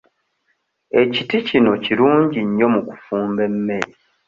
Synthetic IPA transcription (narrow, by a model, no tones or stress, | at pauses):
e̞citicino̞ciɾuːɲɟiɲːo̞muku̥fuːmbe̞mːe̞ɾi